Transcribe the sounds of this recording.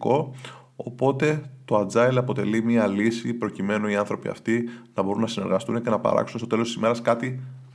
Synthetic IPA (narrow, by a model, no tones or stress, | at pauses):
ko̞ | o̰po̞t̪e̞t̪o̞ɐd͡zɐilɐpo̞t̪e̞̰limiɐlisipɾo̞cime̞noiɐnθɾo̞piɐ̰ft̪inɐbo̞ɾunːɐsine̞ɾɣɐst̪unece̞nɐpɐ̰ɾɐ̰ksunet̪ot̪e̞lost̪isime̞ɾɐskɐt̪i